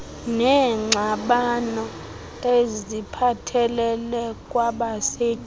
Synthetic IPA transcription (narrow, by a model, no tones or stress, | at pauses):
nɛŋ͡ǀʱaɓanɔ | ezipʰatʰɛlɛlɛkʼwaɓase̥ː